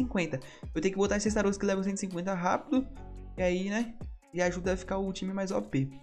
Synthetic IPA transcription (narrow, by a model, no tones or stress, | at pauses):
ĩŋkwẽnt̪ɐ | ewt̪ẽjʊkɪbot̪aesɪs̬t̪aɾoskɪlɛvɐ̃sẽt̪ʊsĩŋkwẽnt̪ɐɦapid̪ʊiainɛɪaʒud̪ɐafi̥kaʊt͡ʃĩmɪmajzɔpe